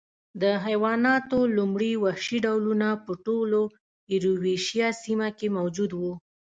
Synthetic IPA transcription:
d̪əɦajwɑnɑt̪olumɽiwahʃiɖawlunapəʈolo | ɪɾuweʃjɑsimakemawd͡ʒud̪wu

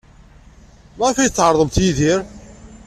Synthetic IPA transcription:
mʁfæjət͡sːʕəɾˤðˤəmθjiðiɾ

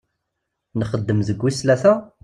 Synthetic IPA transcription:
nəχəd̪ːəmðəɡʷːislæθæ

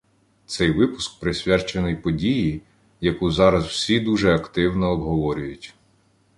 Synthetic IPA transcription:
t̪sɛjʋɪpʊsk̚pɾɪsʲʋʲɛrt͡ʃenɪjpɔdʲiji | jɐkuzɑɾɐzw̥sʲid̪uʒɛɐkt̪ɪwnɔːbɦɔʋɔɾʲʊjʊtʲ

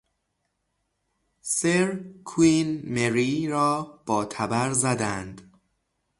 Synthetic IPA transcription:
seɾkʰuiːnmeɾiːɾɒːb̥ɒːt̪ʰæbæɾzæd̪ænd̪̥

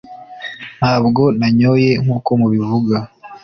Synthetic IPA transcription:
n̥haːb̚ɡo̞naɲo̞je̞ŋuːko̞muβivuɡa

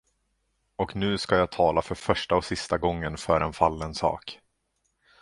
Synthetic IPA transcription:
ɔknʉ̟ːskajaːt̪ʰɑːlafœɾfœʂʈaɔsɪst̪aɡɔŋːənfœɾʔɛnfalːənsɑ̰ːk

